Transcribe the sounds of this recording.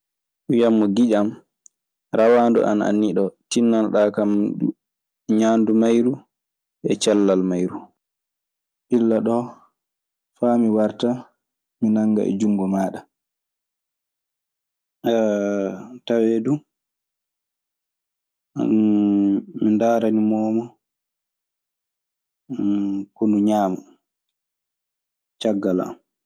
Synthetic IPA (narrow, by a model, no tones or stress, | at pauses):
ɗujamːɔɡid͡ʒam | ɾawandɔ̰ʔa̰na̰nːiɗɔtinːalɗakamu | ɲaːndumajɾu | ɛt͡ʃalːalmajɾu | ʔilːaɗɔ | famiwaɾta | minaŋɡa̰ʔɛ̰d͡ʒuŋɡɔmaːɗa | tawedu | mindaːɾanimɔːma | konuɲaːma | t͡ʃaɡːala̰